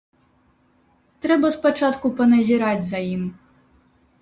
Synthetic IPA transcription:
t̪ɾɛbɐspat͡ʂat̪kupɐnɐzʲiɾad͡zʲzajim

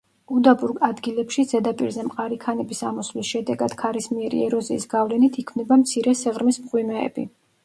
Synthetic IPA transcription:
ud̪abuɾɡad̪ɡilɛpʃid̪zɛd̪apʼiɾzɛmqʼaɾikʰanɛbisamɔslisʃɛd̪ɛɡad̪̥kʰaɾismiɛɾḭɛɾɔziːsɡavlɛnit̪ʰikʰvnɛbamt̪sʰiɾɛsɛʁɾmismqʼwimɛ̰ːbi

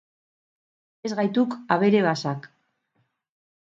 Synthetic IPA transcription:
ezɣajt̪ukaβe̞ɾe̞βasak

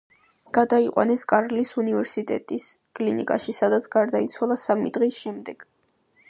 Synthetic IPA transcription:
ɡ̥ad̪aiqʼwa̰nɛskʼaɾlisunivɛɾsit̪ʼɛ̰t̪ʼiskʼlinḭkʼa̰ʃisad̪at̪sʰɡ̥aɾd̪ait̪sʰwalˠasamḭd̪ʁisʃɛmd̪ɛɡ̥

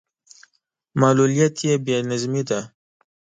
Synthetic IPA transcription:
malulijat̪jebjenazmid̪a

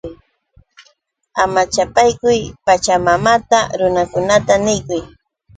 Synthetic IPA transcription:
amat͡ʃapajkʊjpat͡ʃamamat̪aɾʊnakʊnat̪anɪjkʊj

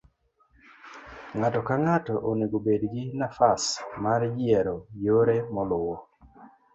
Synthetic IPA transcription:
ŋatɔkaŋatɔʔoneɡobedɡɪnafasmaɾd͡ʒɪɛɾojoɾemɔlʊwɔ

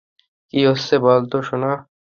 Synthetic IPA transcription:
kiːʊsːeboːlt̪oːʃʊnaː

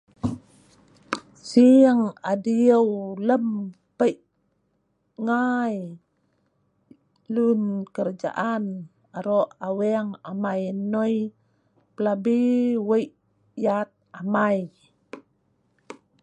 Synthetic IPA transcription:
siəŋadiəwləm | pəjʔ | ŋaj | lunkəɾd͡ʒa̰ʔan | aɾoʔawɛŋamajnoj | pəlabiwəjʔ | jat̪̚amaj

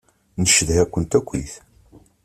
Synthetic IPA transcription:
nəʃəðhækʷːənt̪ækʷːḭθ

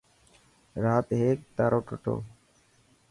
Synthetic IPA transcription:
ɾaːt̪ɦeːk̚t̪aːɾoːʈəʈo̰ː

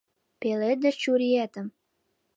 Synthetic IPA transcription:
peled̪et͡ɕuɾiæt̪ə̆m

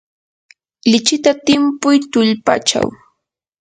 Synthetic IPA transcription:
lɪt͡ʃɪt̪at̪ɪmpʊjt̪ʊʎpa̰t͡ʃa̰w

